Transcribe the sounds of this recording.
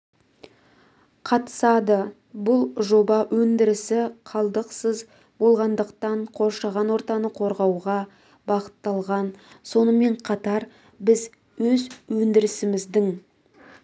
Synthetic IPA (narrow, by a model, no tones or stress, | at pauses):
qʰɑt̪ə̥sɑd̪ə | bʊlˠʒo̞bɑwʔɵnd̪ɪɾɪsɪqʰɑlˠd̪əqsəz | bo̞lˠʁɑnd̪əqt̪ɑɴqʰo̞ɾʃɑʁɑnwo̞ɾt̪ɑnəqʰo̞ɾʁɑwʁɑ | bɑqə̥t̪ːɑlˠʁɑnso̞nəme̞ɴqʰɑt̪ɑɾ | bɪz | wɵzwɵnd̪ɪɾɪsɪmɪzd̪ɪŋ